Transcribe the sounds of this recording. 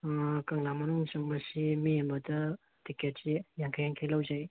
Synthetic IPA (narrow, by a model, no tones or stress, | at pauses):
kaŋnamɐnuŋsoŋbɐsimiembɐdɐ | tiket̚sijaŋkʰajaŋkʰajlawzaj